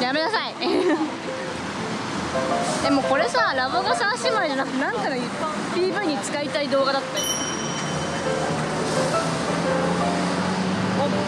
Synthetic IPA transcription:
jame̞nasai | d̪e̞mo̞ko̞ɾe̞saɾaβoɡasãɕimaeʑanakɯ̟t̪e̞ãŋkano | t̪ʲiːbɯ̟ɲ̟it͡sɨ̥kait̪aid̪o̞ːɡad̪at̪ːao

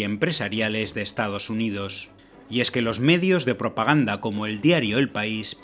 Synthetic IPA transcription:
empɾe̞saɾjale̞zðe̞ːst̪að̞o̞sunið̞o̞s | ie̞ske̞lo̞zme̞ðjo̞zðe̞pɾo̞paɣ̞and̪ako̞moeld̪jaɾjo̞elpais

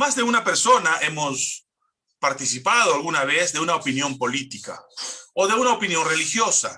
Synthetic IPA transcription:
mazðe̞unape̞ɾso̞naʔemos | paɾt̪isipað̞oalɣunaβ̞ezðe̞unaopinjo̞mpo̞lit̪ika̰oðe̞unaopinjo̞nrelixjo̞sa̰

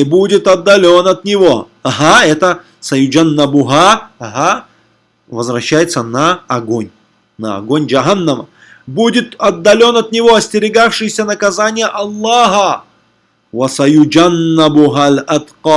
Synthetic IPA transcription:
ɪbudʲɪt̪ɐd̪ːɐlʲo̞nɐt̪nʲɪvo̞ | ɦaɛt̪ə | sɐjʊd͡ʒanːɐbʊɦaɦa | vəzvɾɐɕːæjɪt̪sːənɐːɡonʲ | nɐɐ̰ɡonʲd͡ʒɐɦanːəmə̰ | budʲɪt̪ɐd̪ːɐlʲo̞nɐt̪nʲɪvo̞ɐsʲtʲɪɾʲɪɡafʂɨjsʲənəkɐzanʲɪjəʔɐlˠːaɦə | vɐsɐjʊd͡ʒanːabʊɦalɐt̪qɑː

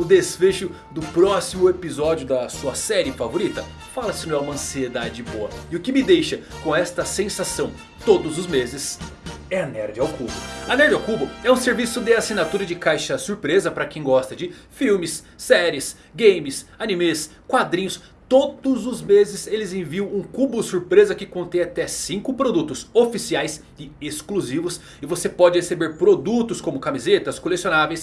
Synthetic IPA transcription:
ʊd̪esfeʃʊ | d̪ʊpɾɔsimʊepizɔd͡ʒjʊd̪ɐsuɐsɛɾɪfavoɾit̪ɐ | falɐsɪnɐ̃w̃ɛũmɐɐ̃sied̪ad͡ʒɪboɐɪʊkɪmɪd̪ejʃɐkõɛst̪ɐsẽsasɐ̃w̃ | t̪od̪ʊzʊzmezɪsɛɐnɛɾd͡ʒɪawkubʊ̰ɐnɛɾd͡ʒɪawkubʊɛũseɾvisʊd̪ɪasinat̪uɾɐd͡ʒɪkajʃɐsuɾpɾezɐpɾɐkẽj̃ɡɔst̪ɐd͡ʒɪ | fiwmɪsː | ɛɾiɪs | ɡẽjmɪsanĩmes | kwad̪ɾĩɲʊs | t̪od̪ʊzʊzmezɪselɪzẽviɐ̃w̃ũkubʊsuɾpɾezɐkɪkõnt̪ẽj̃at̪ɛsĩŋkʊpɾod̪ut̪ʊsofisiajs | ɪeskluzivʊs | ɪvosepɔd͡ʒɪhesebeɾpɾod̪ut̪ʊskõmʊkamizet̪ɐskolesionavejs

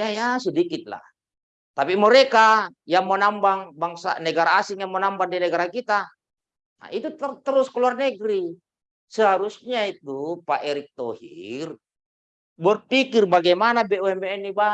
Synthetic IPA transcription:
jajasudikit̪̚la̰ | t̪apimɔɾɛkajaŋmɔnambaŋbaŋsa̰nɛɡaɾaːsiŋjaŋmɔnambaŋdinɛɡaɾakit̪a | na̰ʔit̪ut̪t̪əɾuskɔluarnɛɡɾi | səɦaɾusɲait̪upaʔɛɾik̚t̪ɔhḭr | bɔrpikirbaɡɛmanabɛuɛmbɛɛnːiba

